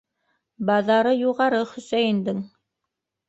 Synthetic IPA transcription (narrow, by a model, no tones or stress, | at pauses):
bɑðɑɾɤjuʁɑɾɤχɵ̆sæjɘ̆nd̪ɘŋ